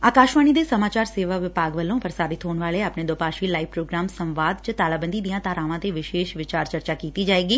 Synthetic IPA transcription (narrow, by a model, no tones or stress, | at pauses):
aːkaːʃʋaːñid̪esɐmaːt͡ʃaːɾseːʋaʋɪpaːɡʋəlõːpɐɾsaːɾɪt̪ʰoːɳʋaːɭeapned̪oːpaːʃilaːiʋpɾoːɡɾaːmsə̃mʋaːd̪t͡ʃət̪aːlaːbə̃nd̪id̪ijãːt̪aːɾãːʋãːt̪eʋɪʃeːʃʋɪt͡ʃaːɾt͡ʃɐɾt͡ʃaːkiːt̪id͡ʒaːeːɡiː